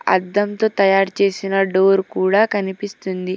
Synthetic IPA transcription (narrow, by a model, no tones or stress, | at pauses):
ɐ̰d̪ːɐmt̪oːt̪ɐjaːɾt͡ʃe̞ːsinɐɖoːɾkuːɽaːkɐnipist̪und̪i